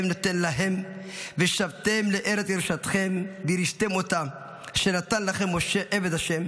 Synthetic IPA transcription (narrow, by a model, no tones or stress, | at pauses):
mnat̪enlaɦemveʃavt̪emleʔeɾet͡siɾʃat̪χembiɾiʃt̪emot̪am | ʃenat̪anlaχemːoʃeʔeved̪haʃem